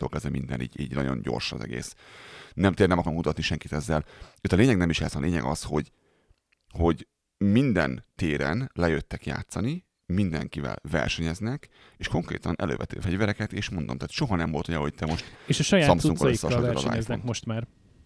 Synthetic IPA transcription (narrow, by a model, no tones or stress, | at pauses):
okɛzɛmind̪ɛ̰nḭːɟiːɟnɒɟo̞̰ɲɟo̰rʃɒ̰zɛ̰ɡḛːsnɛmt̪eːrnɛmɒkɒɾoŋkut̪ɒt̪niʃɛŋkit̪ɛzːɛløːt̪ɒleːɲɛɡnɛmiʃjaːt̪sɒleːɲɛ̰ɡɒsho̞ɟ | ho̞ɟ | mind̪ɛ̰nt̪eːɾɛnlɛjøt̪ːɛkja̰ːt̪sɒni | mind̪ɛ̰ŋkivɛ̰lvɛ̰rʃɛɲɛznɛk | eːʃko̞ŋkɾeːt̪ɒnʔɛ̰lø̰ːvɛt̪ø̰ːfɛɟvɛɾɛkɛt̪eːʃmond̪o̞mt̪aːt̪ʃo̞ɦɒnɛmvo̞lt̪hojɒho̞ɟ̚t̪ɛmo̞ʃt̪eʃɒʃɒjasːɒmsuŋkɒosːɒʃɾɒza̰ːnoʃt̪maːr